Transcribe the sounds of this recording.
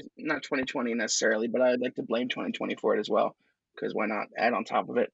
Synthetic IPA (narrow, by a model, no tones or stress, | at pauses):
znətʰw̥ɛ̃ɾ̃itʰw̥ɛ̃ɾ̃inɛsə̥sɛɹl̩ˠibʌɾaɪwɨdˡlaɪk̚tʰəblẽɪ̃mtʰwɛ̰̃ñitʰɛ̰̃ɾ̃ifə˞ɨɾɨzwɛ̰lˠ | kʰʌ̰zwḭɹnə̰ɾ̚æ̰ɾn̩tʰɑ̰pʌvɪt̚